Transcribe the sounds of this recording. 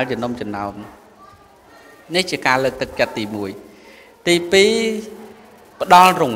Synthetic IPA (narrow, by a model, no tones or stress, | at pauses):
əlt͡ɕənomt͡ɕɑmnaɔm | niht͡ɕiəkaːləːk̚t̪ɨk̚t͡ɕət̪̚ːiːmuəj | t̪iːpiː | pə̆ɗɑlrʊŋ